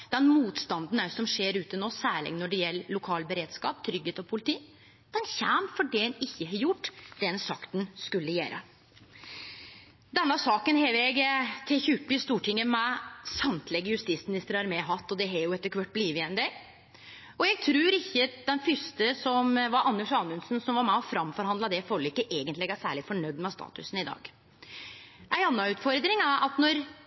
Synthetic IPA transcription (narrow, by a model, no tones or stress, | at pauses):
d̪̥ɛnmuːt̪st̪ɑnd̪n̩æɾsɔmʂeːɾʉːt̪ənoːsæːɭɪ̰ɡnɔɖɛjɛlːlʊkʰɑːlbəɾeːd̪skɑ̰ːp̚t̪ʰɾʏɡheːt̪ɔpʰʊlɪt̪ʰiː | d̪̥ɛnçæːmfɔɖɛɛnɪçːəɦɑjʊʈːd̪̥ɛnsɑkt̪nskʉlːəjæ̰ːɾə̰ | d̪ɛnːəsɑːkənɦɛːʋɛɡt̪ʰɛːçʉpːɪst̪uːʈʰɪŋːəmɛsɑmt̪ʰlɛɡːəjʉst̪iːsmɪnɪst̪əɾɑɾmɛːɦɑt̪ːɔd̪ɛɦɛjʊɛt̪ːəɾkʰʋœʈ̚ːbliːʋɪɛnd̪e | ɔɛɡ̚t̪ʰɾʉːɾɪçːəd̪ɛnfʏʂt̪əsɔmʋɑɾɑnːəʂɑːnʉnsn̩sɔmʋɑɾmæɔfɾɑmfɔɾhɑnd̪lɑd̪ɛfɔlːɪkːəʔeːɡənt̪lɪɛɡæsæ̰ːɭɪfɔɳœd̪mɛst̪ɑ̰ːt̪ʉ̰sn̩ɪd̪ɑ̰ːɡ | ʔæɪɑnːɑʉːt̪fɔɾd̪ɾɪŋæɾʔɑt̪nɔɾ